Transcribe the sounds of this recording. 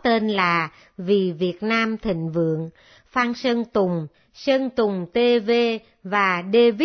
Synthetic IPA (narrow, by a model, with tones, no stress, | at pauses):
t̪e˧nlaː˨˩ | vi˨˩vi˨˩ət̚naː˧mt̪ʰï˧˨ŋ̟vɨ̰˧˨əŋ | faː˧nsə˧ŋt̪ʊ˨˩ŋ͡m | sə˧ŋt̪ʊ˨˩ŋ͡mt̪e˧ve˧ | vaː˨˩ɗe˧vi˦˥